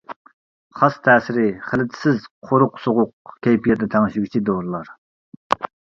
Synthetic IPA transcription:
χɑst̪ʰɛːsɪɾɪχəlɪt̪ʰɪ̥sɪzqʰoɾʊqsoʁʊq̚kʲʰejpʰjɛd̪ɛt̪ʰɛŋɪʃiɡʲit͡ʃʰid̪oɾlˠɑɾ

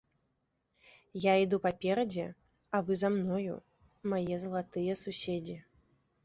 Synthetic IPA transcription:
jaid̪upapʲɛɾɐd͡zʲɛ | avɨzamnɔjṵ | majɛzɐlˠat̪ɨjɛsusʲed͡zʲi

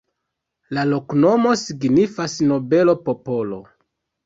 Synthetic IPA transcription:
lalo̞kno̞mo̞siɡnifasno̞be̞lo̞popo̞lo̞

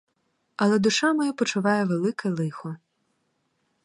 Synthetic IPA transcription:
ɐlˠɛd̪ʊʃɑmɔjapɔt͡ʃʊʋɑjɛʋelˠɪkɐilˠɪxɔ

